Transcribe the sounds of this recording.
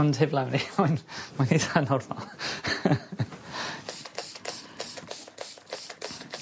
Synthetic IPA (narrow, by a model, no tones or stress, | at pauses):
nd̥ɪvlˠawnimanmaniðanɔrðɔ̰